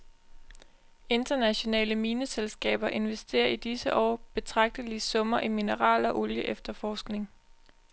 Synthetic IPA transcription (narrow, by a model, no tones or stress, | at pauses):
e̝nd̥ɐnæɕo̝nɛ̰ːləmiːnəselsɡ̥ɛ̰ːb̥ɐʔe̝nʋesd̥e̝̰ːɐid̥isəʔɒ̰ːb̥e̝t͡sʰʁɑ̈ɡ̥̚d̥əlisɔ̽mɐʔiminəʁɑ̰̈ːlɒ̽ʔo̝ljəʔefd̥ɐfɒːsɡ̥ne̝ŋ